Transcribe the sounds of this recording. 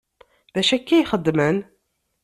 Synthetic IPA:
bæʃækːæjχəd̪ːmən

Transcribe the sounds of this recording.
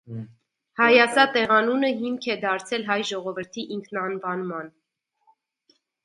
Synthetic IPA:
hɑjɑsɑt̪ɛʁɑnunəɦimkʰɛd̪ɑɾt͡sʰɛlɦɑjʒɔʁɔvəɾt̪ʰiʔiŋkʰnɑnvɑnmɑn

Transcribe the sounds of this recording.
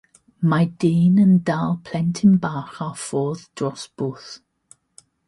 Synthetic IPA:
madeːnəndalˠpʰl̥ɛntʰɪnbaːχafoːðd̥rɔsb̥uːθ

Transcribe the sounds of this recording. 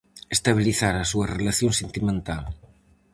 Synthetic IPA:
est̪aβ̞iliθaɾɐsuɐrelaθjoŋsent̪imẽnt̪al

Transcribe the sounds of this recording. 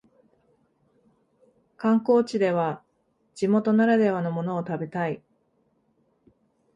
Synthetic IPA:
kãŋko̞ːt͡ɕid̪e̞β̞a | d͡ʑ̥imo̞t̪o̞naɾad̪e̞βano̞mo̞no̞ːt̪abe̞t̪ai

